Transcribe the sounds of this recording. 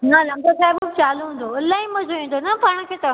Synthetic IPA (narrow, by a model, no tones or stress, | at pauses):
nalɐ̃mɡosaːɪbt͡ɕaːloɦũːn̆d̪oɐlaĩmɐzʱoʋĩːn̆d̪onɐpaːɽ̃̆kʰeːt̪ɐ